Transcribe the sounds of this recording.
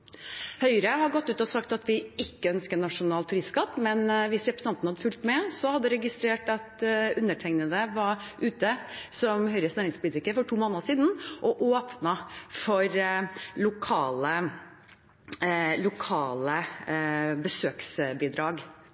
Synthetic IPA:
hœʏɾəhɑɾɡɔt̪ːʉːt̪ɔsɑkt̪ɑt̪ʋɪɪkːəœnskənɑʂʊnɑːlt̪ʰːʉɾɪsskɑt̪mɛnʋɪsɾɛpɾə̥sɑnnhɑd̪ːəfʉlt̪mɛsɔhɑd̪ːəɾɛɡɪst̪ɾeːʈɑt̪ʉnːəʈʰɛɪŋnəd̪əʋɑʉːt̪əsɔmhœʏɾəsnæːɾɪŋspʰʊlɪt̪ɪkəɾfɔʈʰuːmoːnəʂiːd̪n̩ʔɔʔoːpnɑfɔɾlʊkʰɑːlə | lʊkʰɑːlə | bəsøːksbiːd̪ɾɑːɡ

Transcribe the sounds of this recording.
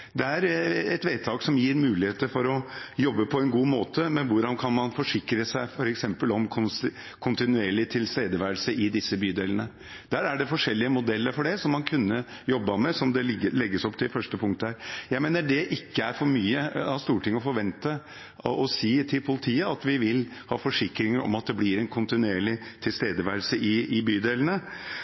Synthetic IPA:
d̪ɛæɾɛt̪ʋeɪt̪ʰɑːksɔmjiːɾmʉːlɪheːt̪əɾfɔɾɔjɔbːəpʰɔɛnɡuːmoːt̪ʰəmɛnʋʊɖɑnkʰɑnmɑnfɔʂɪkɾəsæɪfɔɾɛksɛmpəlɔmkʰʊ | kʰʊnt̪ɪnʉeːɭɪt̪ʰɪlst̪eːd̪əʋæːəlsəʔɪd̪ɪsːəbyːd̪eːlənə | d̪̥æɾæɖɛfɔʂɛlːɪəmʊd̪ɛlːəɾfɔɖɛsɔmːɑnkʰʉnːə | jɔbːɑmɛsɔmd̪ɛlɛɡːəsɔpːt̪ʰɪlfœʂʈəpʰʊŋk̚t̪əhæɾjæɪmeːnəɖɛʔɪkːəæɾfɔɾmyːəɑʋst̪uːʈɪŋːɔfɔɾʋɛnt̪ə | ɔsiːt̪ʰɪlpʰʊlɪt̪ʰiːəɑt̪ʋɪʋɪlhɑ̰ːfɔʂɪkɾɪŋəɾɔ̰mɑt̪̚d̪ɛblɪɾɛnkʰʊnt̪ɪnʉeːɭɪt̪ʰɪlst̪eːd̪əʋæːlsəʔɪɪbyːd̪eːlənə

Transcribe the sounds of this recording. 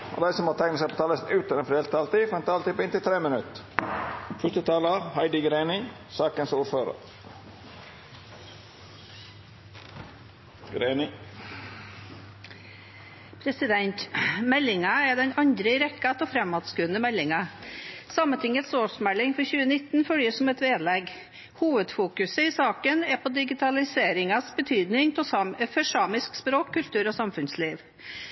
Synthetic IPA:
o̰d̪æɪsɔmoːt̪ʰæɪŋnəsɛɪpʰoːt̪ʰɑːləsnʉːt̪ənɛnfɾɛːlt̪ɑlt̪ifɔɾɛnt̪ʰɑːlt̪ɪpɪnt̪ɪlt̪ʰɾeːmənʉt̪ | fœt̪ət̪ʰɑːləɑhɑɪd̪ɪɡɾeːnɪ | sɑːkənsuːɾføːɾə̰ɾ | ɡɾeːnɪ | pʰɾɛsɪd̪ɛnt̪mɛlːɪŋɑɛd̪ɛnɑnd̪ɾəɪɾɛkːɑt̪ɔfɾɛmːɑːd̪skʉːənəmɛlːɪŋɑsɑmənt̪ʰɪŋːət̪soːʂmɛlːɪŋfɔɾçʉːənɪt̪nfœljəsɔmɛt̪ʋeːd̪lɛɡ | huːʋəd̪fuːkʉsəɪsɑːkənɛpʰɔd̪ɪɡɪt̪ʰɑlɪseːɾɪŋɑsbət̪ʰyːd̪nɪŋpʰɔfœʂɑːmɪskspɾoːkʰːʉlt̪ʉːɾɔsɑmfʉnsliːʋ

